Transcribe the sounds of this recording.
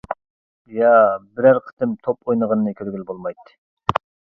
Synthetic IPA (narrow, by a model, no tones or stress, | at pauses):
jɑbɪɾæɾqʰə̥t̪ʰɨmt̪ʰopojnəʁɑnɨnɨkʲʰøɾɡʲylbolˠmɑjt̪ːɨ̥